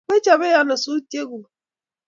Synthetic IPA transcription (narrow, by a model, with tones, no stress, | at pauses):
kʷe˦t͡ʃa˨be˦ja˦nʊ˨su˦te˦ɡu˨